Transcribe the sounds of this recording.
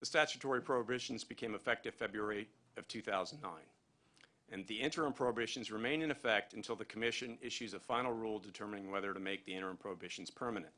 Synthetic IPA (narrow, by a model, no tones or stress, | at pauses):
ðɨstæt͡ʃɨ̥tʰɔɹipʰɹ̥oʊəbɪʃn̩zbɨkʰẽɪ̃mɨfɛk̚tɨv̥fɛbɹɛɹi | ʌv̥tʰʉθaʊzn̩ːã̰ɪ̃n | ɨ̃nðiɪ̃ntə˞ɨ̃npʰɹ̥oʊəbɪʃn̩zɹɨmẽɪ̃nɨ̃nɨfɛk̚tɨ̃n̩tʰɪlˠðɨkʰəmɪʃɨ̃nɪʃʉzəfãɪ̃nl̩ˠɹulˠdɨtʰɜ˞mɨnɪ̃ŋwɛðə˞ɾɨmeɪk̚ðiɪ̃ɾ̃ə˞ɨ̃npʰɹ̥oʊəbɪʃn̩z̥pʰɜ˞mɨnɨ̰̃nt̚